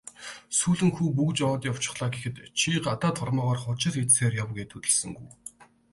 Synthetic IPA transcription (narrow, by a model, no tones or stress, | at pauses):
suːɮɘ̆ŋxuːp̬ukt͡ɕɔːt̪jaʊw̥ʰt͡ɕɪ̥̆χɮaːɡexɘ̆t̪t͡ɕʰiɢat̪aːt̪ʰʊrmɔːʁaːrχʊt͡ɕɪ̆ɮet͡sseːrjawɡet̪ʰɵt̪ɘ̆ɮsɘ̆ŋɡuj